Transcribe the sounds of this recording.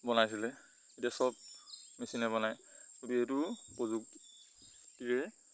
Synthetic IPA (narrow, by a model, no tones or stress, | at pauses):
bɔnajsilɛ | itiasɔb̚mesinɛbɔnajutuɛtupɔzuk̚ | kiɹɛ